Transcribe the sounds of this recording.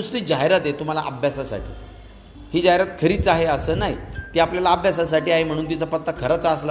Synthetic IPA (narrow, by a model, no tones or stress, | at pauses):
ust̪iːd͡ʑaɦjɾat̪et̪um̤alaʔəbʱjasasa̰ʈʰḭː | hiːd͡ʑaɦeɾat̪kʰəɾiːt͡saɦeəsəːnaɦjt̪iːapljalaəbʱjasasaʈiːaɦem̤əɽũːnt̪̬it͡sapət̪ːəkʰəɾat͡səsla